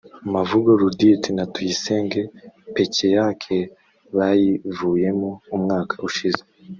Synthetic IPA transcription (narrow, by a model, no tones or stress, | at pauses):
umavuɡoɾuditinatujiseːŋɡepe̞cejakʰe | βajivuːje̞moumŋaːkʰḁuʃize